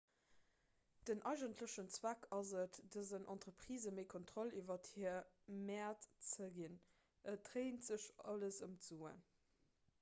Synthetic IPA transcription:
d̥ənʔɑɪʒəntʰləʃənt͡swækʰɑzətdɑzənʔɑ̰ntʁəpʁiːzəmeɪkʰontʁ̥olivɐthiːɐ | mɛːɐtt͡səɡin | ʔət̚ʁeɪntz̥əɕɑ̰ləsə̰mt͡suːə̰n

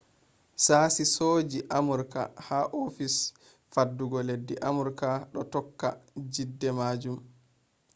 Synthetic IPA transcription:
saːsisoːd͡ʒiʔamuɾka̰haʔofis | fadːuɡɔledːiʔamuɾkaɗɔtɔkːad͡ʒidːɛmaːd͡ʒum

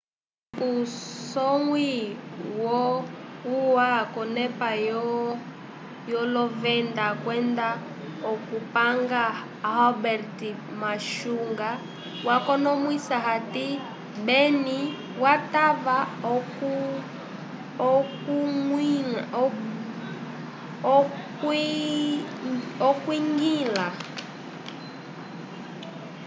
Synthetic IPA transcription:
usɔŋwiwɔuwakɔnɛpajɔ | jɔlɔvɛndakwɛnda | ɔkupaŋɡa | hɔbɛɾti | maʃuŋɡa | wakɔnɔmwisaɦati | bɛni | watava | ɔku | k | ɔkwiŋɡila

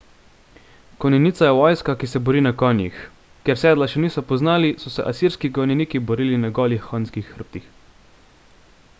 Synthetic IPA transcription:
kɔnɛniːt̪sajɛʋɔjskakisɛbɔɾiːnakɔːnjḭx | kɛɾsɛːd̪laʃɛniːsɔpɔznaːlisɔsɛ̰ʔasiɾskiɡɔnɛniːkibɔɾiːlinaɡɔːlixːɔnskixːəɾp̚t̪ix

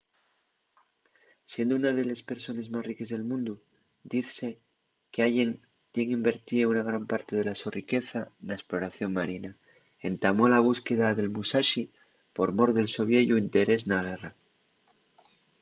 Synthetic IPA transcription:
sje̞nd̪ounaðe̞lespe̞ɾso̞ne̞zmasrike̞zðe̞lmũnd̪u | d̪iθse̞ | keaʝe̞n | t̪je̞ŋimbe̞ɾt̪iounaɣ̞ɾampaɾt̪e̞ð̞e̞lasorike̞θanaesplo̞ɾaθjo̞ŋmaɾina | e̞nt̪amo̞laβ̞uske̞ðaðe̞lmusaʃi | po̞ɾmo̞ɾðe̞lso̞βjeʝuint̪e̞ɾe̞znaɣ̞e̞ra

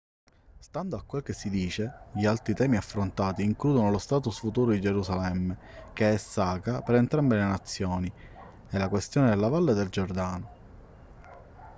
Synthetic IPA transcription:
st̪and̪oakːwelk̟esːid̪iːt͡ʃeʎialt̪ɾit̪ɛːmiafːɾont̪aːt̪iːŋkluːd̪onolost̪aːt̪̬usfut̪uːɾod̪id͡ʒeɾusalɛmːe | k̟eɛsːaːkapeɾent̪ɾambelenat̪sːjɔːni | ɛlːakwest̪joːned̪elːavalːed̪eld͡ʒord̪aːno

